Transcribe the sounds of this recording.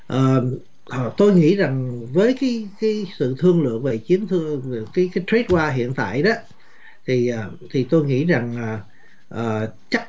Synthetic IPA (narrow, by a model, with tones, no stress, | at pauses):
ʔəː˨˩ | ʔt̪o˧jŋḭ˧˥za˨˩ŋvəː˨˦jkaː˨˦jkaː˨˦jsɨ̰˧˨t̪ʰɨ˧əŋlɨ̰˧˨əŋve˨˩t͡ɕi˨˦ənt̪ʰɨ˧˨kaː˨˦jkaː˨˦jt̪ɹi˦˥t̚kwaː˧ɦḭ˧˨ənt̪a̰ː˧˨jɗɔ˨˦ | t̪ʰi˨˩ʔaː˨˩ | t̪ʰi˨˩t̪o˧jŋḭ˧˥za˨˩ŋaː˨˩ | ʔəː˨˩t͡ɕa˦˥k̚